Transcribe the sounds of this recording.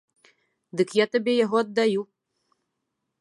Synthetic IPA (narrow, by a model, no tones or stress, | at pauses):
d̪ɨkjat̪abʲɛjaɣɔɐd̪ːaju